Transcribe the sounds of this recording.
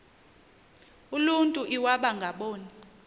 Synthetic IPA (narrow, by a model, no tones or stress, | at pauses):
uluntʼuʔiwaɓaŋɡʱaɓɔːni